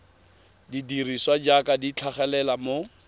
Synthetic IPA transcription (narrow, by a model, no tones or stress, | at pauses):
didiriswad͡ʒakadit͡ɬʰaχɛlɛlamo